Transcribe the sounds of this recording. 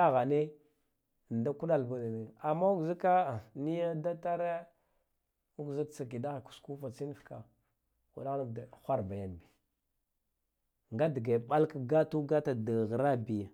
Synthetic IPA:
a˦ɣa˨ne˦˨ | n˨da˦ku˦ɗa˦lba˨da˨ne˨a˨mːa˦u˦ɡzi˦ka˦˨ni˦ja˦da˦ta˦ɾa˦ | u˦ɡzi˦kt͡sa˨ki˨da˦ɣa˨ku̥˨sku˦fa˨t͡si˦n˦fka˨ | ṵ˨da˦ɣna˦da˨xʷa˦ɾba˨ja˨nbi˨ | ŋɡa˦di˨ɡa˨ɓa˦lka˦ɡa˦tu˦ɡa˦ta˨da˨ɣɾa˦bi˨ja˨

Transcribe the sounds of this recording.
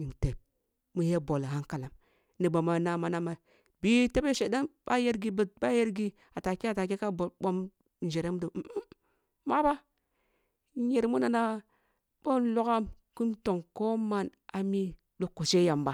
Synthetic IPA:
i˨nte˨p̚ | mu˨˦je˦bo˨lha˦ŋka˨la˨m | ni˨bo˨ma˨na˨ma˨na˦ma˨ | bi˦te˦be˦ʃe˨da˦nba˦je˦ɾɡi˨˦bi˦t̚ba˦je˦ɾɡi˦ | a˨ta˨ke˦a˨ta˨ke˦ka˦bo˨lɓo˦m | n˨d͡ʒe˨ɾe˦m˦do˨˦ | ma˦ba˦ | je˨ɾmu˦na˨na˦ | b̥o˦nlo˦ka˦mku˦mto˨ŋko˦ma˦na˨mi˦ | ɗu˨˦kːu˨se˦ja˨mba˨

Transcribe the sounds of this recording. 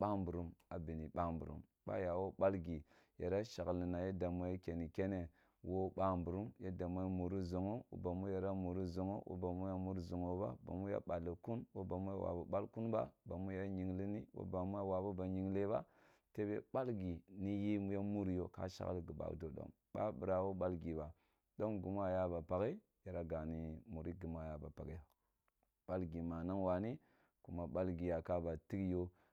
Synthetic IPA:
ɓa˦mbu˨ɾu˦ma˨bi˨ni˨ɓa˦mbu˨ɾṵ˦m | ba̰˦ja˨wo˦ɓa˦lɡi˨ | je˨ɾa˦ʃa˨ɣlni˨na˨je˦da˨mo˦je˦ke˨ni˨ke˦ne˨ | wo˦ɓa˦mbu˨ɾu˦mje˦da˨mo˦jmu˨ɾi˦zo˨ŋo˦wo̰˦ba˨mu˦ja˨ɾa˦mu˨ɾi˦zo˨ŋo˦wʔo̰˦ba˨mu˦ja˦mu˦ɾzo˨ŋo˨ba̰˦ba̰˨mu˦ja̰˦ɓa˨lːi˨ku˦nwo˦ba˨mu˦ja̰˦˨wa̰˨bu˨ɓa˦lku˦nba̰˦ba˨mu˦ja˦ɲi˨ŋli˦ni˦wo̰˦ba˨mu˦ja˦wa˨bu˦ba˨ɲi˨ŋle˦ba̰˦ | te˦bḛ˦ba˦lɡi˨ni˦ji˦mu˦ja˦mu˦ɾi˦jo˦ka̰˦ʃa̰˦ɣa̰˦lɡə˨ba̰˨do˨do̰˦ŋ | ba̰˦bi˨ɾa˨wo˦ɓa˦lɡi˨ba˨ | do˦nɡu˨m˦a˦˨ja˦ba˨pa˨ɡe˦ | ja˨ɾa˦ɡa˨ni˨mu˨ɾi˦ɡi˨m˦a˦˨ja˨ba̰˨pa˨ɡe˦˨ | b̥a˦lɡi˨ma˨na˦ŋwa˨ni˦ | ku˨ma˨ɓa˦lɡi˨ja˨ka˦ba˨ti˦kjo˦

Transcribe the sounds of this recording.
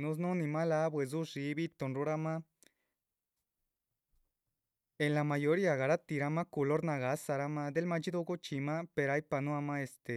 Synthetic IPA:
nũ˧s̬nõ˦nĩ˧ma˦la˦bwe˨z̬u˦ʐi˧˦βi˦t̪o˧nɾu˧˦ɾa˦mã˦ | e˨nla˨ma˧jo˧ɾi˦a˨ɣa˨ɾa˦t̪i˧ɾa˧ma˦ku˧lo˦ɾna˧ɣa˨˦sa˧ɾa˦mã˧d̪e˦lma˧t͡ʃi˦d̪o˧ɣo˦t͡ʃi˧mã˦pe˧ɾa˧˦jpa˧nũ˦a˧mã˦e˧st̪e˨

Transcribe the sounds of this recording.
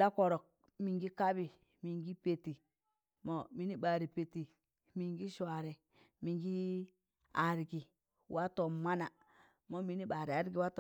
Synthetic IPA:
la˦ko˨ɾo˨k̚ | mi˨ŋɡi˦ka˦bi˨ | mi˨ŋɡi˦pe˨ti˨ | mo˨mi˦ni˦ba˨ɾi˨pe˨ti˨ | mi˨ŋɡi˦ʃʷa˨ɾi˨ | mi˨ŋɡi˦ | a˨ɾɡi˨ | wa˦to˨ma˦na˨ | mo˦mi˨˦ni˦ɓa˨ɾi˨a˨˦ɾɡi˨wa˦to˨

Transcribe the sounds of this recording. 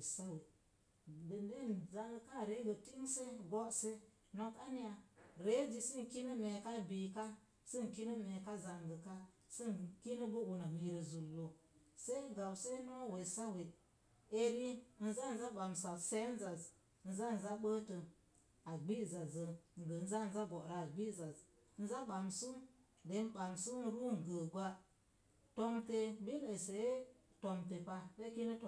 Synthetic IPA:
sa˦we˨ | də˨nde˦˨nza˨ŋɡə˨ka˦˨ɾe˨˦ɡə˨ti˦ŋse˦ɡo˦se˦ | no˦ka˦ni˦ja˨ɾe˦d͡ʒi˨sə˦n˨ki˦nə˦me˨ka˦bi˨ka˦ | sə˦ŋ˨ki˦nə˦me˨ka˦za˨ŋɡə˨ka˦sə˦nki˦nə˦bə˦u˨na˨mi˨ɾə˨zu˨lːo˨ | se˦i˦ɡa˨wse˦no˦we˨sa˦we˨ | e˦ɾi˦n̩˦za˦n̩˦za˦ɓa˨msa˨se˦n̩˦za˨z | n̩˦za˦n̩˨za˦ɓə˦tə˨ | a˨ɡ͡bi˦˨za˨zə˨ŋ˨ɡə˨n̩˦za˦n̩˦za˦ɡo˨ɾa˨ɡ͡bi˦za˨z | n̩˦za˦ɓa˨msu˦ | de˨˦m˦ɓa˨msu˦ɾu˦ŋ˨ɡə˨ɡʷa˦ | to˦mte˨bi˦lə˨se˨je˦ | to˨mte˨pa˦se˦ki˦nə˦to˨

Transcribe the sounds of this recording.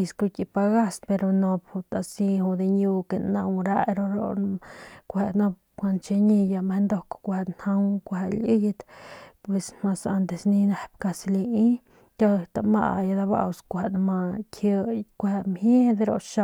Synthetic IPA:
i˧sku˧ki˧pa˧ɡa˦spe˧ɾo˧no˧bhu˧t̪a˧si˧hu˧d̪e˧ɲju˧ke˨na˧wɾa˧ɾo˧ɾo̰˧ | kʷe˧no˧b̚ | kʷa˧nt͡ʃe˧ɲi˧ja˧me˧nd̪o˧kkʷa˧n̥ha˧wkʷa˧li˦jt̪pwe˨sma˧sa˧nt̪e˨sni˧ne˧pka˧sli˧i˦ | tʲa˦˧t̪a˧ma̰˧ʔja˧d̪a˧ba̰˧wskʷa˧nma˧kʰə˧kʷe˧mhe˦d̪e˧ɾo̰˧ʃa˧

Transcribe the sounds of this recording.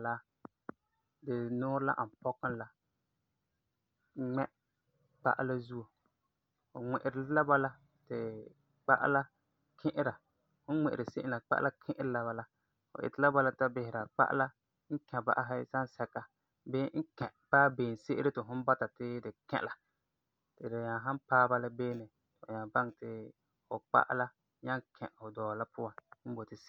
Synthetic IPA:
la˦ | dɪ˨nʊː˦ɾla̰˦ʔa˨m˨pɔ˦ka˦n˦la˦ | ŋ͡mɛ˦ | k͡pa̰˦˨ʔa̰˦la˦zu˦o˨ | fʊ̰˨ŋɪ˨ʔɪ˨ɾɪ˦la˦ba˦la˦ | tɪ˨ | k͡pa̰˦ʔa̰˦la˦ | kʰɪ̃˦ʔɪ˦ɾa˨ | hʊ˦n˦ŋ͡mɪ˨ʔɪ˨ɾɪ˨se˦ʔɪ˦la˨k͡pa̰˦ʔla˦kʰɪ̃˦ʔɪ˦ɾɪ˦la˨βa˨la˦ | fʊ̰˨ʔɪ̰˨tɪ˦la˦ba˦la˦ta˦bɪ˨hɪ˨ɾa˨k͡pa̰˦ʔa̰˦la˦ | ŋ̩˦kɛ̃˨ba̰˦ʔa˦ɦa˦sa˦n˦sɛ˦ka˦ | bɪː˦ŋ̩˦kɛ̃˨ʔpaː˦beː˨n˨se˦ʔɪ˦ɾɪ˦tɪ˨ɦʊ˦n˦ba˦ta˨tɪ˦dɪ˨kɛ̰˦˨la˨ | tɪ˨dɪ˨ɲa˨ɦã˦npaː˦ba˦la˦beː˦nɪ˨ | tɲã˨ba˦ŋtɪ˨ | fʊ˨k͡pa̰˦ʔa̰˦la˦ | ɲa˦ŋkʰɛ̃˨ʔhʊ˨dɔː˨la˦pʊ˦wa˨nm̩˦bo˨tɪ˦s

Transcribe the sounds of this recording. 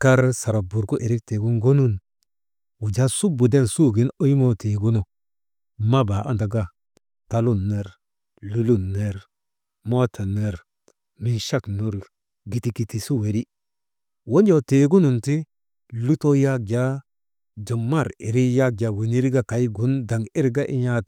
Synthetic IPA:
ka˦ɾsa˨ɾa˨bu˨ɾku˦ʔe˨ɾi˦k̚te˨ɡu˦nɡo˦nu˦n | wu˨d͡ʒa˦su˦bu˨de˦˨nsu˦ɡi˨no˦jmo˦te˨ɡu˦no˨ | ma˦ba˨ʔa̰˦nda˨ɡa˦ | ta˨lu˦nːe˨ɾ | lu˦lu˦nːe˨ɾ | mo˦tʰa˨ne˨ɾ | mi˨nʃa˦knu˨ɾ | ɡi˨ti˨ki˨ti˨su˦we˨ɾi˦ | wo˦nd͡ʒo˦˨te˨ɡu˦nu˨nti˦ | lu˦to˦ja˦k̚d͡ʒa˦ | d͡ʒo˨mːa˦˨ɾḭ˨ɾi˦ja˦k̚d͡ʒa˨wi˨ni˦ɾi˦ɡa˦ka˨jɡu˨˦nda˨ŋi˦ɾɡa˦ʔi˦ɲa˦t

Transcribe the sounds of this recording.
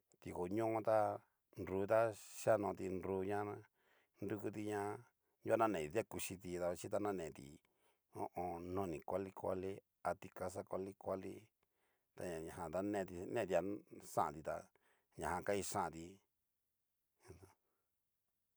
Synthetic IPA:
t̪i˧˨ko˨ɲõ˦õ˦t̪a˦ | nɾu˧˦t̪a˦ʃa˦nõ˧t̪i˧nɾuː˧˦ɲã˦ | ndu˧ku˧t̪i˧ɲã˧ | ju˦a˦nã˦nẽ˨˧ða˦ku˧ʃi˧t̪i˧t̪a˧a˧t͡ʃi˦t̪̬a˧nã˦˨nẽ˨t̪ḭ˨ | õ̰˦ʔõ˧nõ˧nĩ˨kʷa˦li˦kʷa̰˦˧li˦ | a˧t̪i˧ka˧s̬a˦kʷa˧li˦kʷa˦lḭ˦ | t̪a˧ɲã˨ɲã˨ã˧t̪a˦nẽ˦˧t̪i˧nẽ˦˧˨t̪i˧a˧sã˦ʔã̰˨t̪i˧t̪a̰˧ | ɲã˨hã˧ka˦i˧ʂã˦ʔt̪i˧

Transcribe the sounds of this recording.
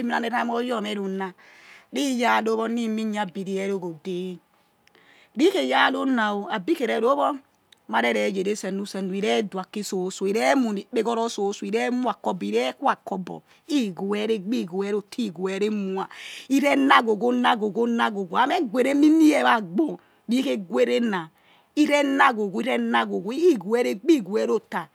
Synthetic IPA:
mi˦na˨ne˨ɾa˦m˦ɔ˦jɔ˦˨mɛ˦ɾu˨na˦ | ɾi˦ja˦˨lo˦βɔ˦ni˦mi˦ɲ˦a˨bi˨ɾi˦ɛ˦ɾo˦ɡo˨de˦ | ɾi˦ke˨ja˦lo˦na˨o˨a˨bi˦ke˨ɾɛ˨ɾo˦bɔ˦ | ma˨ɾɛ˦ɾɛ˨˦d͡ʒe˨ɾe˦sɛ˨nu˦sɛ˨nu˨i˨ɾɛ˦dwa˨kːi˦so˨˦so˨i˨ɾɛ˦mu˨ni˨˦be˦ɡɔ˦ɾɔ˦so˨˦so˨i˨ɾɛ˦mu˦a˨kɔ˦bi˨ɾɛ˦kwa˨kːɔ˦bɔ̰˨ | i˦ɡo˨ɛ˦ɾe˦ɡ͡bi˦˨ɡo˨ɛ˦ɾo˨tʰi˦˨ɡo˨ɛ˨˦ɾe˦mu˦a˨i˦ɾɛ˦na˦ɡo˨ɡo˦na˦ɡo˨ɡo˦na˦ɡo˨ɡo˨a˨˦mɛ˦ɡʷe˨ɾe˦mi˦ni˦ɛ˦βa˨ɡ͡bo˨ | ɾi˦ke˦ɡwe˦ɾe˦na˨ | i˦ɾɛ˦na˦ɡo˨ɡu˨˦i˦ɾɛ˦na˦ɡo˨ɡu˨˦i˦˨ɡu˨ɛ˦ɾe˦ɡ͡bi˦˨ɡu˨ɛ˦ɾo˦ta˨

